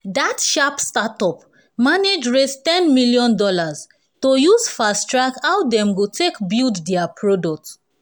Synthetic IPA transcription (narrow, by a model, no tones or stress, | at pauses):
datʃapstatɔp | maned͡ʒɹestɛ̃nmiljɔ̃ndɔlaz | tojuzfastɹakhawdɛ̃mɡotʰekbilddɛapʰɹodɔk̚t